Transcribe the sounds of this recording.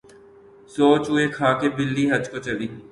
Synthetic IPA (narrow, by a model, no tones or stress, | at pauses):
soːt͡ʃɦʊekʰaːkebɪlːiɦɐd͡ʒkot͡ʃəliː